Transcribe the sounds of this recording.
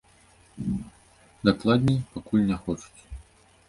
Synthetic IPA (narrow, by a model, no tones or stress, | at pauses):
d̪aklˠad̪ʲnʲɛjpakulʲnʲɛxɔt͡ʂu̥t͡sʲ